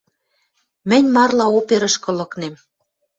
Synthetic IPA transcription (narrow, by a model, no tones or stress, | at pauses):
mɘ̆nʲmɑrlɑopeɾə̆ʃkɤ̆lɤ̆knem